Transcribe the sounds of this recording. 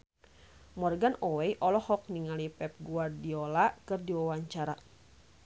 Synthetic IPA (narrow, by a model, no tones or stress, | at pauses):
mɔrɡanɔwɛjʔɔlɔhɔk̚niŋalipɛp̚ɡuardiɔlakɨrdiwawaɲt͡ʃaɾa